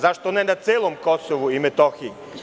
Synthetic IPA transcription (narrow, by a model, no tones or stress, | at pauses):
zaʃt̪onenat̪seːlˠomko̞soʋuimet̪oxii